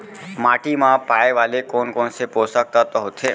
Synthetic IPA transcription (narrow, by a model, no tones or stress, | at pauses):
maʈimãpajʋalekɔnkɔnseposak̚t̪at̪ɔɦot̪ʰe